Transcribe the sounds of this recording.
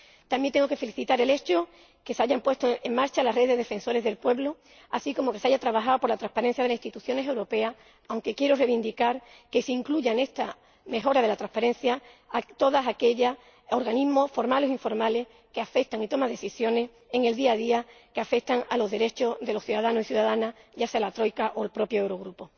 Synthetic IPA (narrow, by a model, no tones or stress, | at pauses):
t̪ambjent̪eŋɡo̞ke̞fe̞liθit̪aɾe̞le̞t͡ʃo | ke̞saʝampwe̞st̪oeŋmaɾt͡ʃalareððeðe̞fẽ̞nso̞ɾe̞zðe̞lpwe̞βlo | asiko̞mo̞keseaʝat̪ɾaβaxaopo̞ɾlat̪ɾahpaɾẽn̟θjaðeasi̥nst̪it̪uθjo̞nes̬e̞wɾo̞pe̞as | awŋke̞kje̞ɾore̞βind̪ikaɾ | ke̞seiŋkluʝane̞st̪a | me̞xo̞ɾaðelat̪ɾahpaɾe̞n̟θjat̪o̞ðasake̞ʎas | oɾɣanizmo̞sfo̞ɾmale̞siɱfo̞ɾmale̞h | ke̞afe̞k̚t̪aŋit̪o̞mãðe̞θisjo̞ne̞s | e̞ŋe̞ld̪iaðiakeafe̞k̚t̪aŋalo̞zðe̞ɾe̞t͡ʃo̞zðelo̞sθjuðaðanosiθjuðaðanaʝase̞alat̪ɾo̞jkaʔolpɾo̞pjoewɾo̞ɣ̞ɾupo̞